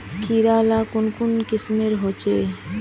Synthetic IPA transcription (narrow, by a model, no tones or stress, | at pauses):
kiɾalakonkonkismeɾɦot͡ʃe